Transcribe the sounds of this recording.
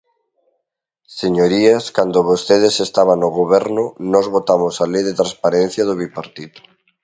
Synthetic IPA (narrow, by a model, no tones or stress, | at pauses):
seɲoɾiaskand̪oβost̪eðesest̪aβ̞anːoɣoβɛɾnʊnɔzβot̪amosalejðet̪ɾãspaɾen̟θjaðoβipaɾt̪it̪u̥